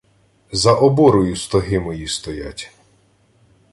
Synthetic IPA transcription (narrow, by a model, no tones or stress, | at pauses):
zɐʔɔbɔɾɔjʊst̪ɔɦɪmɔjist̪ɔja̰tʲ